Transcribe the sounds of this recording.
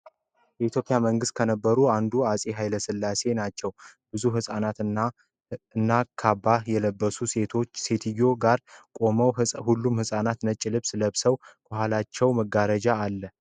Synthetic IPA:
jɛit̪jo̞pʼjaməŋɡɨst̪̚kʰənəbːəɾuand̪uasʼiɦajləsɨlːase̞nat͡ʃːɛwb̥ɨzuɦɨsʼanat̪a | ɨnːakʰabːajɛləbːəsuse̞t̪ʰo̞t͡ʃːse̞t̪ʰɨjːo̞ɡaɾkʼo̞məwhulːumhɨsʼanat̪nət͡ʃʼːɪlɨβsləβsəwkʰohalat͡ʃːɛwməɡaɾəd͡ʒaːlːə

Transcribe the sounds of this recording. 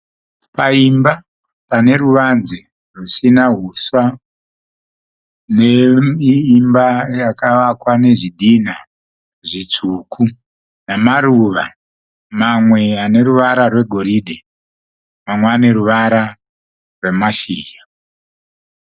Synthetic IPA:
paimba | pane̞ruʋanze | rusinaɦuswa | neiːmbajakaʋakwane̞ʐiɗina | ʐit͡sukʰu | namaɾuʋa̰ | mamwe̞ane̞ɾuʋaɾarwe̞ɡʱo̞ɾiɗe | mamwane̞ɾuʋaɾa | rwe̞maʃiːja

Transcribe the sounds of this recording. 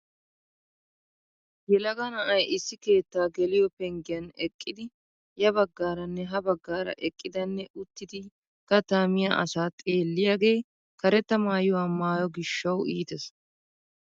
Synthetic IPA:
jɛlɐɡɐnɐʔɐjɪsːɪke̞ːt̪ːaːɡɛlɪjɔpɛŋɡɪjɐnɛkʼːɪd̪ɪ | jɐbɐɡːaːɾɐnːɛɦɐbɐɡːaːɾɐ̰ʔɛkʼːɪd̪ɐnːɛʔʊt̪ːɪd̪ɪ | kɐt̪aːmɪjaʔɐsaːt̪ʼe̞ːlːɪjaːɡe̞ː | kɐɾɛt̪ːɐmaːjʊwamaːjɔɡɪʃːɐwiːt̪ɛs

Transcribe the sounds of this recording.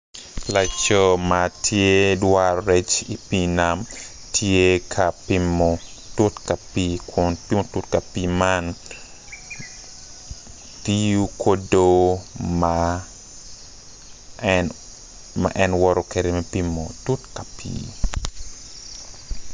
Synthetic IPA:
lat͡ʃɔmatʰjedwaɾɾet͡ʃipinam | tʰjekʰapimɔtutkapikʰʊnpimotutkapiman | tijukʰodoma | ma̰ʔɛnwɔɾokeɾemɛpimːotutkapḭː

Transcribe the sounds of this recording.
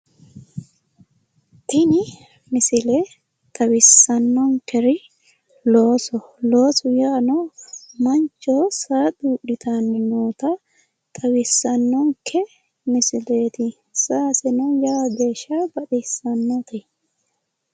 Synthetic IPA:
t̪ɪnɪ | mɪsɪle | t̪ʼɐwɪsːɐnːɔŋkɛɾɪ | loːsɔloːsʊjaːnɔmɐnt͡ʃːosaːd̪uːɗɪt̪ʰanːɛnuːt̪ɐ | t̪ʼɐwɪsːɐnːɔŋkʰɛ | mɪsɪleːt̪ɪ | saːsɛnɔjaːɡeːʃːabɐɗɪsːɐnːɔt̪ɛ

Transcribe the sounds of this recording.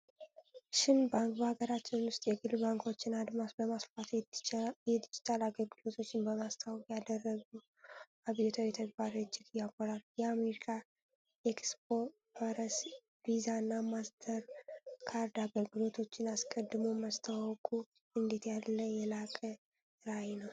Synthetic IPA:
ʃɪnbaŋkbəhaɡəɾat͡ʃːɪnwʊst̪ʼjɛɡɨlbaŋkʰo̞t͡ʃːɪnad̪masbəmasfat̪ | jɛd̪ɪd͡ʒɪ̥t̪ʰʼalaɡəlɡɨlo̞t̪ʰo̞t͡ʃːɪnbəmast̪ʰawkʼjad̪ərːəɡu | ʔaβiot̪ʰawjɛt̪ʰəɡ̚baɾət͡ʃːɪkɨjakʼːɔɾaljɛameɾikʰa | ekspo̞ | faɾəs | vizanːamasd̪ʰəɾkʰaɾd̪aɡəlɡɨlo̞t̪ʰo̞t͡ʃːɪnaskʼəd̪ːɨmoməst̪ʰawwkʼu | ɨnd̪et̪jalːəjɛlakʼə | ɾajnəw

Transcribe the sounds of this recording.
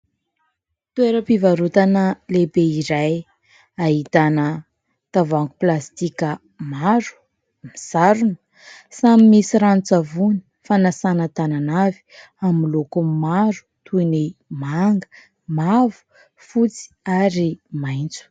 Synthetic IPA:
t̪ueɾəpivaɾut̪anəlebeiɾaj | ait̪anə | t̪avaŋɡuplast̪ikʲə | maɾu̥ | misaɾunə̥ | samimisiɾant͡savuni̥ | fanasanət̪ananavi̥ | amilokumaɾu̥t̪ʰuinimaŋɡə̥ | mavu̥ | fut͡si̥aɾimajnt͡su̥

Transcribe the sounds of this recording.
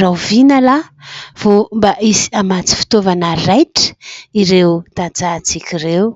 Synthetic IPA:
rawvinəlav̥ombaʔisi̥amat͡si̥fi̥t̪ovanərajʈ͡ʂə̥iɾewt̪at͡sat͡sikʲiɾew

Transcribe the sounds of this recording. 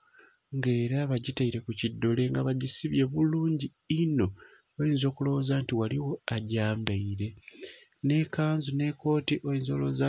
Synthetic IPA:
ŋɡe̞ːɾaβaɟitaiɾe̞kucidːo̞le̞ŋɡaβaɟisiβje̞βuluːɲɟi | ino̞ | oenzo̞ːkulo̞wozaːntiwaliwo̞aɟaːmbeiɾe̞ | ne̞kaːnzune̞ko̞ːtiʔoenzo̞loza

